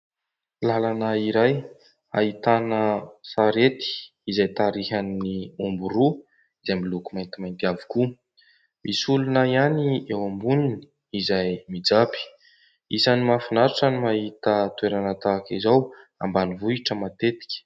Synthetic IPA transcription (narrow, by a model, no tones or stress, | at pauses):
lalanaiɾaj | a̰it̪anəsaɾet̪i̥ | izajt̪aɾiɦanniumbuɾu | izajmilukumajnt̪imajnt̪iavi̥ku | misulunəjaniewambunini̥ | izajmid͡zapi̥ | isanimafinaɾiʈ͡ʂənimaɦit̪ət̪ueɾanət̪akizaw | a̰mbanivuiʈ͡ʂəmat̪et̪i̥kʲə̥